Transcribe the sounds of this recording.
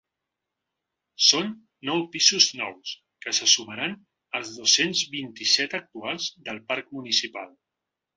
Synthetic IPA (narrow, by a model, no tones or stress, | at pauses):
sonː | ɔwpizuznɔ̰ws | kəsəsuməɾan | əlˠzðosenzβint̪isɛt̪ək̚t̪ualˠzðəlˠpaɾk̚munisipalˠ